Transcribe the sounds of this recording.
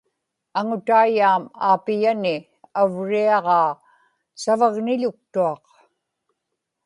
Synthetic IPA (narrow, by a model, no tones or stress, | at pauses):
aŋʊt̪aːjaːmaːpɪjanɪ | avɻiɑʁɑː | savaɣnɪʎʊk̚t̪uɑq